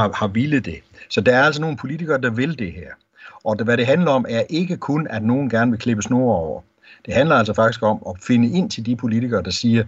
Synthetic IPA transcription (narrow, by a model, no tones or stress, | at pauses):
hɑ̈ʋilð̩ˠd̥e̝sɒ̽d̥ɑ̈æɐæl̰s̬ɒno̝ːn̩pʰo̝lit͡sʰiɡ̥ɐːd̥ɑ̈ʋe̝ld̥e̝hæɐ̰ | ʔɒ̽ʋæɾe̝ɦænlɐɒ̽mʔæɐʔe̝ɡ̥əkʰonæd̥no̝ːn̩ɡ̥æɐnəʋe̝lkʰleb̥əsno̝̰ːɒʊ̰ɐ | d̥e̝ɦænlɐæl̰sɒfɑ̈ɡ̥isɡ̥ɒ̽mɒfe̝nəe̝n̰t͡sʰe̝ld̥ipʰo̝lit͡sʰiɡ̥ɐːd̥ɑ̈siːɐ